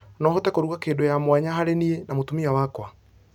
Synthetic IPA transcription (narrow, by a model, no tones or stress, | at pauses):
nɔhotɛkoɾuɣakeːndojamwaɲaɦaɾenienamotumiawakwa